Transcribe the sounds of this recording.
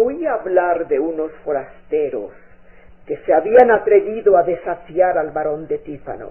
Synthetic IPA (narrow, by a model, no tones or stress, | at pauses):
oiaːβlaɾðeuno̞sfo̞ɾast̪eɾo̰s | ke̞seaβianat̪ɾe̞ðiðoaðe̞safjaɾalβaɾo̞nd̪et̪ifa̰no̰